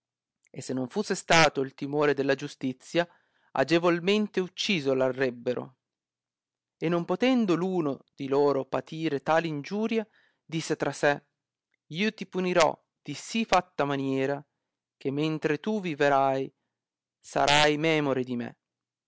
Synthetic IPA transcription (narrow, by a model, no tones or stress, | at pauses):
esːenːoɱfusːest̪aːt̪oilt̪imoːɾed̪elːad͡ʒust̪it̪sːja | a̰d͡ʒevolment̪eut͡ʃːiːzolarːɛbːeɾo̰ | enːompot̪ɛnd̪oluːnod̪̥iloːɾopat̪ʰiːɾet̪aːlind͡ʒuːɾja | d̪isːet̪ɾasɛ | iːot̪ipuniɾɔ̰ | d̪̥isifat̪ːamanjɛːɾa | k̟emːent̪ɾet̪uviveɾaj | sa̰ɾʔajmɛːmoɾed̪imḛ